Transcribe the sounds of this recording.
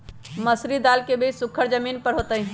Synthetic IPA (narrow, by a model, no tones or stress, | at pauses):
məsɾid̪aːlkebʱesʊkʰːəɾd͡ʒəmiːnpəɾɦot̪əɦĩ